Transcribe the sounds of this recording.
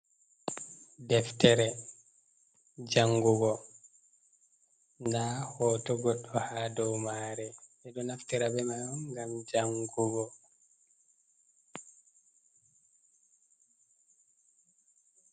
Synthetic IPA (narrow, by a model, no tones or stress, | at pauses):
dɛftɛɾɛ | d͡ʒaŋɡuɡɔ | ndahɔːtɔɡɔɗɔhadɔwmaːɾɛɛdɔnaftɛɾabɛmaɔŋɡamd͡ʒaŋɡuɡɔ